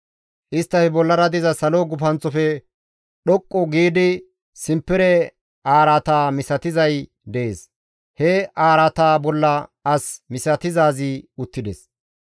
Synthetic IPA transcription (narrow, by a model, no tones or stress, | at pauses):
ʔɪst̪ːɐfɛbɔlːɐɾɐd̪ɪzɐsɐloɡʊfɐnt͡sɔfɛ | ɗɔkʼːɔɡiːd̪ɪ | sɪmpːɪɾɛ | ʔaːɾɐt̪aːmɪsɐt̪ɪzɐj | d̪ɛʔḛːs | hɛʔaːɾɐt̪aːbɔlːɐɐsmɪsɐt̪ɪzaːzɪʊt̪ːɪd̪ɛs